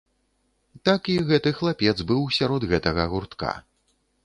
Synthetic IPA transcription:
t̪akiɣɛt̪ɨxlˠapʲɛd̪zbɨwsʲaɾɔd̪ɣɛt̪ɐɣɐɣurt̪ka̰

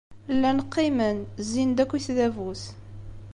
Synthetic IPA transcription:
lːænəqːimənzind̪ækʷːiθðævuθ

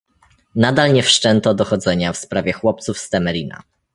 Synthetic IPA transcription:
nad̪alɲɛfʂt͡ʂɛnt̪ɔd̪ɔxɔd̪zɛɲafspɾavʲjɛxwɔp̚t̪sufst̪ɛmɛɾʲina̰

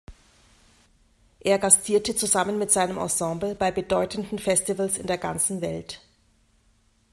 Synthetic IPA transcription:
ʔeːɐɡastʰiːɐtət͡suzamənmɪtz̥aɪnəmʔɑ̰̃sɑ̃ːbl̩baɪbədɔʏtn̩dn̩fɛstivəlsɪ̰ndeːɐɡa̰nt͡sn̩vɛlt

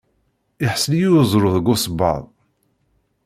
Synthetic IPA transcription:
ɪħəslijuzˤɾˤoðˤəɡʊsbɑ̰ðˤ

